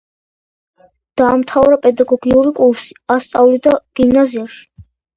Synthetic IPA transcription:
d̪̥aːmt̪ʰavɾapʼɛd̪aɡɔɡiuɾikʼuɾsi̥ast̪sʼavlid̪aɡ̥imnaziaʃi̥

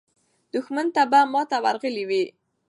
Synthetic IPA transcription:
d̪ʊxmant̪abamɑt̪awaɾɣəliwi

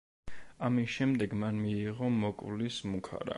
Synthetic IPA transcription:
amisʃɛmd̪ɛɡmanmiːʁɔmɔkʼlismukʰa̰ɾa̰

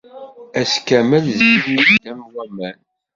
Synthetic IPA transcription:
æskæməlziɾiid̪æmwæmæn

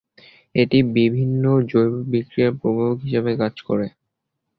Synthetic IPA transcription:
eʈibibʱinːod͡ʑojbobikɾieɾpɾobookɦiʃebekad͡ʑko̰ɾe

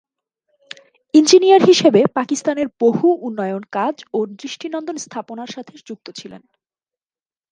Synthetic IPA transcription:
ind͡ʑinijaɾɦiʃebepakist̪aneɾbohuʔunːɔjonkad͡ʑod̪ɾiʃʈinɔnd̪onst̪ʰaponaɾʃat̪ʰed͡ʑuk̚t̪ot͡ɕʰilḛn

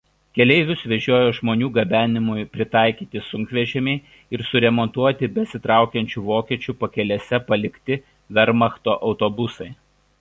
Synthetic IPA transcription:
kʲɛlʲɛɪʋʲʊsʋʲɛʒʲoːjoːʒmoːnʲuːɡɐbʲæːnʲɪmʊjpʲɾʲɪt̪ɑˑɪkʲiːt̪ʲɪsʊŋʲkʋʲiɛʒʲɛmʲɛɪ | ɪɾsʊɾʲɛmɔnt̪uɔt̪ʲɪbʲɛsʲɪt̪ɾɑˑʊkʲɛnʲt͡ʃʲuːʋoːkʲiɛt͡ʃʲupɐkʲɛlʲɛsʲɛpɐlʲɪkʲt̪ʲɪ | ʋʲɛɾmɐxt̪oːʔɒʊt̪obʊsɐɪ

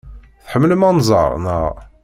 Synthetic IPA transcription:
θħəmːələmɑnzˤə̰ʁnəʁ

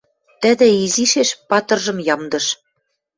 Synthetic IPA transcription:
t̪ə̆d̪ɘ̆iziʃeʃpɑt̪ɤ̆rʒɤ̆mjɑmd̪ɤ̆ʃ

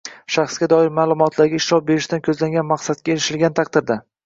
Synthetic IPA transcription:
ʃaχsɡʲad̪ɒɪɾmaːlˠʊmɒt̪ʰlaɾɡʲaɪʃɾɒp̚beɾɪʃd̪ankʲʰɵzlaŋɡʲanmaqsat̪̚kʲaeɾɪʃɪlɡʲant̪ʰaq̚d̪ɪɾd̪a

